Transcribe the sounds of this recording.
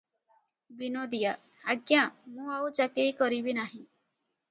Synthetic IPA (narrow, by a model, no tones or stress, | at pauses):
binod̪ija | haɡjãmũawt͡ʃakiɾikoɾibinaɦĩ